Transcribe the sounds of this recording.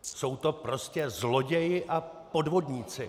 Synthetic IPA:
so̞wt̪o̞pɾo̞scɛzlo̞ɟɛjɪʔapo̞dvo̞dɲiːt͡sɪ

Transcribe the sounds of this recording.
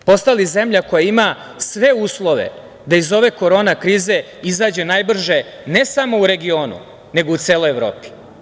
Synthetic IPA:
po̞st̪alize̞mʎako̞jaima | sʋe̞uːslˠo̞ʋḛ | d̪aizo̞ʋe̞ko̞ɾo̞ːnakɾiːze̞ | izaːd͡ʑe̞naːjbr̩ʒe̞ | ne̞samo̞uɾe̞ɡio̞ːnṵ | ne̞ɡout̪seːlˠo̞jevɾo̰ːpi̥

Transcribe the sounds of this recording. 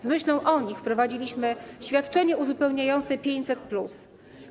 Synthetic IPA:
zmɘɕlɔ̃w̃ʔɔɲixfpɾɔvad͡ʑilʲiɕmɘɕfʲjat̪t͡ʂɛɲɛuzupɛwɲajɔnt̪sɛpʲjeɲt͡ɕʲsɛt̪̚plus

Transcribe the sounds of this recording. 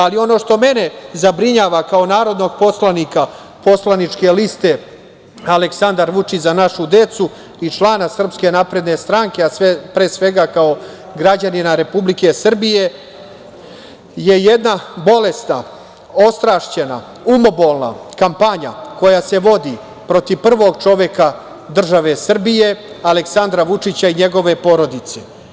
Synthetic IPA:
alio̞no̞ʃt̪o̞me̞ne̞zabɾiɲaːʋakao̞naːɾo̞d̪no̞ɡ̚po̞slaniːka | po̞slanit͡ʃke̞list̪e̞ | aleksand̪aɾʋut͡ʃit͡ɕzanaʃud̪e̞t̪su | it͡ʃlˠaːnasr̩pske̞naːpɾe̞d̪ne̞st̪ɾaŋke̞asʋepɾeːsʋe̞ɡakao̞ | ɡɾad͡ʑaninaɾe̞publike̞sr̩bije̞ | je̞jed̪nabo̞le̞sna | o̞st̪ɾaʃt͡ɕena̰ | umo̞bo̞lˠna̰kampaɲa̰ko̞jase̞ʋo̞d̪i | pɾo̞t̪iʋpr̩ʋo̞ɡt͡ʂo̞ʋjeka | d̪r̩ʒaʋe̞sr̩bije̞ | ale̞ksand̪ɾaʋut͡ʂit͡ɕaiɲe̞ɡo̞ʋe̞po̞ɾo̞d̪it̪se

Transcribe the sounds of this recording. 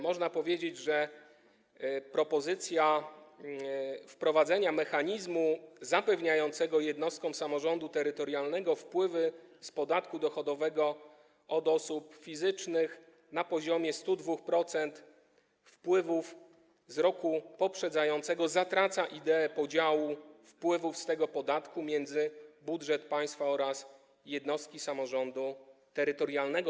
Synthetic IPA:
mɔʐnapɔvʲjed͡ʑed͡ʑʐɛ | pɾɔpɔzɘt̪sʲja | fpɾɔvad̪zɛɲamɛxaɲizmuzapɛvɲajɔnt̪sɛɡɔjɛd̪nɔst̪̚kɔ̃w̃samɔʐɔnd̪ut̪ɛɾɘt̪ɔɾjalnɛɡɔfpwɘvɘspɔd̪at̪kud̪ɔxɔd̪ɔvɛɡɔ | ʔɔd̪ɔsupfʲizɘt͡ʂnɘx | napɔʑɔmʲjɛst̪ud̪vuxpɾɔt̪sɛnt̪ | fpwɘvuf | zɾɔkupɔpʂɛd̪zajɔnt̪sɛɡɔzat̪ɾat̪saʔid̪ɛːpɔd͡ʑawufpwɘvufst̪ɛɡɔpɔd̪at̪kumʲjɛnd̪zɘbudʐɛt̪paj̃st̪faɔɾas | jɛd̪nɔst̪kʲisamɔʐɔnd̪ut̪ɛɾɘt̪ɔɾjalnɛɡɔ

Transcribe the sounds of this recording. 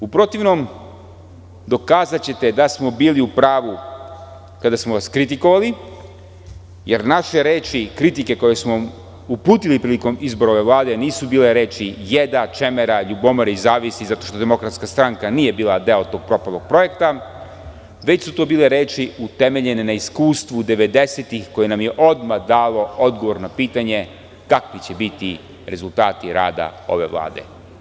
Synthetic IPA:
upɾo̞t̪iʋno̞m | d̪o̞kaːzat͡ɕe̞t̪e̞d̪asmo̞biːliupɾaːʋu | kad̪asmoʋaskɾit̪iko̞ʋali | je̞ɾnaʃeɾe̞ːt͡ʃikɾit̪ike̞ko̞je̞smo | upuːt̪ilipɾiːliko̞mizbo̞ɾo̞ʋe̞ʋlˠaːd̪e̞niːsubiːle̞ɾe̞ːt͡ʃije̞d̪at͡ʃemeɾaʎubo̞moɾeizaːʋisizat̪o̞ʃt̪od̪e̞mo̞kɾat̪skast̪ɾaŋkaniːje̞biːlˠad̪e̞ot̪o̞ːɡ̚pɾo̞palˠoɡ̚pɾo̞je̞kt̪a | ʋe̞t͡ɕsut̪oːbiːle̞ɾeːt͡ʃiut̪e̞me̞ʎenenaiskuːst̪ʋud̪e̞ʋe̞d̪e̞set̪ixko̞je̞namje̞ʔo̞d̪mad̪aːlˠo̞o̞d̪ɡo̞ʋo̞ɾnapiːt̪aɲe̞ | kakʋit͡ɕebit̪i | ɾe̞zulˠt̪aːt̪iɾa̰ːd̪a̰o̞̰ʋe̞̰ʋlˠa̰ːd̪e̞̰

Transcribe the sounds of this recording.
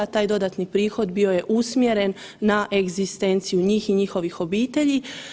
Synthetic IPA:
at̪aːjd̪o̞d̪at̪nipɾiːxo̞d̪bio̞je̞ʔusmje̞ɾe̞nː | aʔe̞ɡzist̪ent̪sijuɲiːxiɲixo̞ʋixo̞biːt̪e̞ʎi

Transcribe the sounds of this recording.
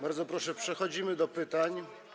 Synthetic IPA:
baɾd̪zɔpɾɔʂɛpʂɛxɔd͡ʑimɘd̪ɔpɘt̪aɲ

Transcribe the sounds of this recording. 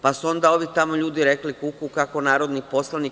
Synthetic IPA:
pasuo̞nd̪ao̞ʋit̪amo̞ʎuːd̪iɾeklikukukakonaːɾo̞d̪nipo̞slˠani

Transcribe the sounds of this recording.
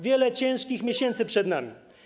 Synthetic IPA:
vʲjɛlɛt͡ɕɛ̃ʂkʲixmʲjeɕɛnt̪sɘpʂɛd̪namʲi

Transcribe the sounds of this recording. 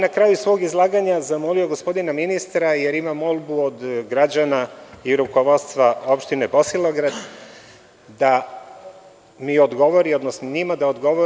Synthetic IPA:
nakɾaːjusʋo̞ːɡizlˠaːɡaɲazamo̞lio̞ɡo̞spo̞d̪inaminist̪ɾaje̞ɾimamo̞lˠbuod̪ɡɾad͡ʑanaiɾuko̞ʋo̞t̪st̪ʋao̞pʃt̪inebo̞silˠo̞ɡɾad̪ | d̪a | mio̞d̪ɡo̞ʋo̞ɾio̞d̪nosnoɲimad̪ao̞d̪ɡo̞ʋo

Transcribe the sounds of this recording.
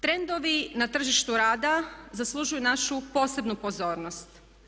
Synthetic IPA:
t̪ɾe̞nd̪o̞ʋinat̪r̩ʒiʃt̪uɾaːd̪azaslˠuʒujunaʃupo̞ːse̞bnupo̞zo̞ːɾno̞st̪

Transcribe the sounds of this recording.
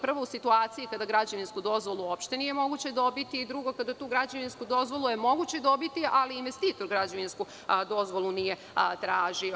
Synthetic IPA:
pr̩ʋousit̪uaːt̪sijikad̪aɡɾad͡ʑeʋinskud̪o̞zʋolˠuo̞pʃt̪e̞nije̞mo̞ɡut͡ɕe̞d̪o̞bit̪iːd̪ɾuɡo̞kad̪at̪uːɡɾad͡ʑeʋinskud̪o̞zʋo̞lˠuje̞mo̞ɡut͡ɕe̞d̪o̞bit̪iʔaliːnʋe̞st̪iːt̪o̞ɾɡɾad͡ʑoʋinsku | d̪o̞zʋo̞lˠunije̞ | t̪ɾaːʒio

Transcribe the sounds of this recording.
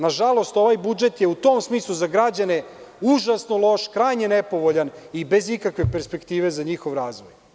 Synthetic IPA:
naʒalˠo̞st̪o̞ʋajbud͡ʒe̞t̪jeut̪o̞ːmsmiːslˠuzaɡɾad͡ʑaneuʒasnolˠo̞ʃkɾajɲenepo̞ʋoʎanibe̞zikakʋepe̞ɾspe̞kt̪iːʋe̞zaɲixo̞ʋɾaːzʋoj

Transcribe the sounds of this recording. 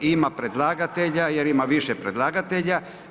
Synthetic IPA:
imapɾed̪lˠaːɡat̪eʎajeɾimaʋiʃepɾed̪lˠaːɡat̪eʎa

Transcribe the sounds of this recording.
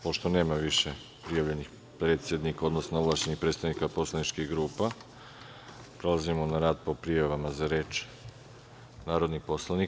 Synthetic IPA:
po̞ʃt̪one̞ːmaʋiʃe | pɾijaʋʎe̞nix | pɾe̞ːt̪sʲje̞d̪nikao̞d̪nosnoovlˠaʃt͡ʃenixpɾet̪st̪aʋnikaposlˠanit͡ʃkiɣɡɾuːpa | pɾolazimonaɾaːd̪̚po̞pɾijaʋamazaɾe̞ːt͡ʃ | naːɾo̞d̪nipo̞slˠani

